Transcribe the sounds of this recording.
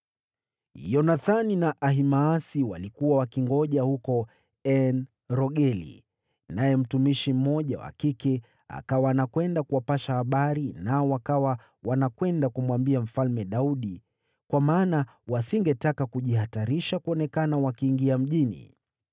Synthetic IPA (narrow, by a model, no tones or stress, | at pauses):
jɔnaθaninaʔaɦimaːsiwa̰likuwawakiŋɡɔʄahukɔ | ɛn | ɾɔɠɛlḭ | najɛm̩tumiʃim̩ːɔʄawa̰kikɛ | a̰kawaːnakwɛndakuwapaʃahaɓaɾinaɔwakawa | wanakwɛndakumwambiam̩falmɛɗauɗi | kwamaːna | wasiŋɡɛtakakuʄihataɾiʃakuɔnɛkanawakiːŋɡiam̩ʄinḭ